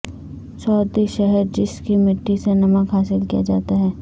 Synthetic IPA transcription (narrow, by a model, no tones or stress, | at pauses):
sɔːɾd̪iʃɛɦɛɾd͡ʒɪskimɪʈːisenɐməkɦaːsɪlkija̰d͡ʒa̰ːt̪aɦɛː